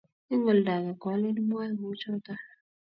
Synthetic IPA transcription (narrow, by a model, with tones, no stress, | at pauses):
i˦ŋɔ˨lda˨ɣa˨ɡ̥a˨˦le˦li˦m˦a˦jŋu˦t͡ʃʰɔ˦ta˦